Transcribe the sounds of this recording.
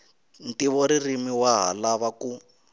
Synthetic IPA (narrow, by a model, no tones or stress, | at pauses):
n̩tiβɔɾirimiwaɦa̰laβaku